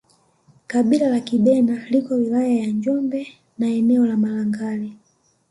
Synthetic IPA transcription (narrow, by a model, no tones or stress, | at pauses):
kaɓilalakiɓɛnalikɔwilajajaɲd͡ʒɔmbɛ | naɛnɛɔlamalaŋɡali